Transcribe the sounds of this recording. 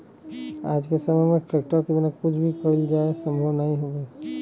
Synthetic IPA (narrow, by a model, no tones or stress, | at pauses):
a̰ːd͡ʒkesəməmẽʈɾeːk̚ʈəɾkebinəkʊt͡ʃʰbʱikəild͡ʒaːesə̃mbʱəʋnəɦĩɦoɡe